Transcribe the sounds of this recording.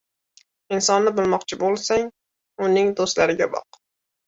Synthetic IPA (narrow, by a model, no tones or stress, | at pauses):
ɪnsɒnːɪbɪlˠmɒqt͡ʃʰɪbolˠsaŋ | ʊnɪŋd̪ost̪laɾɪɡʲabɒ̰q